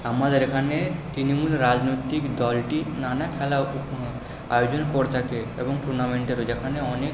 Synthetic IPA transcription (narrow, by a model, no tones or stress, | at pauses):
amad̪eɾekʰaneʈɾinomulɾad͡ʒnojt̪ikd̪ɔlʈinanakʰɛlaup | a̰jod͡ʒonkɔɾt̪ʰakeḛboŋʈʰuɾnameɳʈeɾod͡ʒekʰaneɔnek